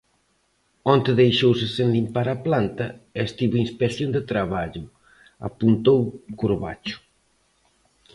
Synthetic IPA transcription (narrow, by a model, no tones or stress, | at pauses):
ɔnt̪eðejʃowsɪsenlimpaɾaplant̪ɐest̪iβoinspeθjond̪et̪ɾaβ̞aʎʊ | a̰punt̪owkuɾβa̰t͡ʃʊ̥